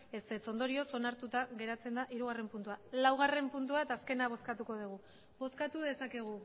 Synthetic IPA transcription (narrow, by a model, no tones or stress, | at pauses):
e̞set͡so̞nd̪o̞ɾio̞so̞naɾt̪ut̪aɣe̞ɾat͡se̞nd̪aʔiɾuɣ̞are̞mpunt̪ualawɣare̞mpunt̪uaet̪aːske̞naβ̞o̞skat̪uko̞ðuɣ̞u | βo̞skat̪uðe̞sake̞ɣ̞u